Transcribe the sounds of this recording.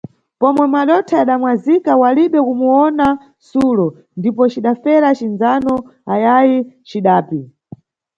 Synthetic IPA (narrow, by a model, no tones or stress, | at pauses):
pɔmwɛmaɗɔtʰaaɗamwazikawaliɓɛkumuɔna | sulɔ | ndipɔt͡ʃiɗafɛɾat͡ʃinzanɔajajit͡ʃiɗaːpi